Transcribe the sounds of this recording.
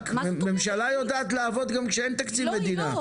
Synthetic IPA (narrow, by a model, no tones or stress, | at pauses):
mːe̞mʃalajo̞d̪aːt̪laːvo̞d̪ɡamkʃeent̪akt͡sivme̞d̪ina